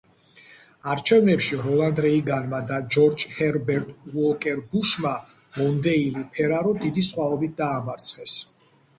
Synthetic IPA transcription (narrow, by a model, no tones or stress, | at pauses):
aɾt͡ʃʰɛvnɛpʃiɾɔlˠand̪ɾɛiɡanmad̪ad͡ʒɔɾd͡ʒhɛɾbɛɾt̪ʼwɔkʼɛɾbuʃma | mɔnd̪ɛilipʰɛɾaɾɔd̪id̪isχwaɔbit̪̚d̪aːmaɾt̪sʰχɛs